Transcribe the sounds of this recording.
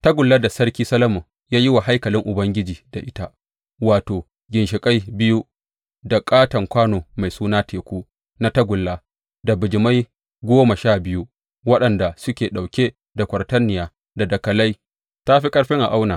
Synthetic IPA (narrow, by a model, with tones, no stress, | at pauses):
ta˦ɡʷʊ˨lːa˦da˨sɐ˦ɾkʲiː˦sɐ˦lɐ˦mu˨ | jaː˦ji˦wa˨ɦa˦jkɐ˨lɪ˦ŋʔʊ˨bɐ˦ŋɡʲɪ˦d͡ʒiː˨da˨ʔɪ˦ta˦ | waː˨toː˨ | ɡʲɪ˨nʃɪ˨kʼa˦jbɪ˦ju˦ | da˨kʼaː˦tɐ˨ŋkʷaː˦noː˨ma˨jsuː˦naː˦tʰeː˨kʷuː˦ | na˦ta˦ɡʷʊ˨lːa˦ | da˨bɪ˨d͡ʒɪ˨ma˦j | ɡʷoː˦ma˨ʃaː˦˨bɪ˦ju˦ | wɐ˦ɗɐ˨nda˨sʊ˦kʲeː˨ɗa˨wkʲe˦ | da˨kʷɐ˨rtɐ˦nːɪ˨jaː˨ | da˨dɐ˨kɐ˨la˦j | ta˦ɸi˦kʼɐ˦ɽɸɪ˦ŋʔa̰˨ʔa˦wnaː˨